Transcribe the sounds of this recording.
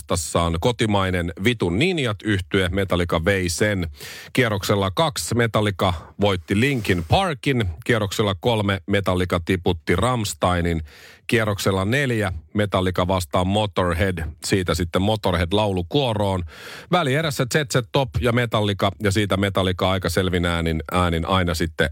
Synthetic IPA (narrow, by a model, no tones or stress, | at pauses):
t̪ɑsːɑːnkot̪imɑinenʋit̪unːinjɑt̪yht̪yeme̞t̪ɑlikɑʋeisenkierokselːɑkɑksme̞t̪ɑlːikɑʋo̞jt̪ːiliŋkinpʰɑrkinkierokselːɑkolmeme̞t̪ɑlːikɑt̪iput̪ːirɑmst̪ɑininkierokselːɑneljæmet̪ɑlːikɑʋɑst̪ɑːmmot̪orɦedsiːt̪æsit̪ːemmot̪orhedlɑulukuoro̞ːnʋælieɾæsːæt̪set̪set̪ːopjɑmet̪ɑlːikɑjɑsiːt̪æmet̪ɑlikɑɑikɑselʋinæːninæːninʔɑinɑsit̪ːe